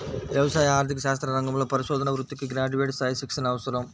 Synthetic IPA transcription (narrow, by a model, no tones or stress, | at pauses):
ʋjɐʋɐsaːjɐaːɾt̪ʰikːɐʃaːs̬t̪ɾɐɾɐŋɡɐmɯɭɐpɐɾɪʃoːd̪ɐnɐʋɾut̪ːɯkːɯɡɪɾaːd͡ʒuʋeʈsaːjɐsiksɐnɐʋɐsɐɾɐm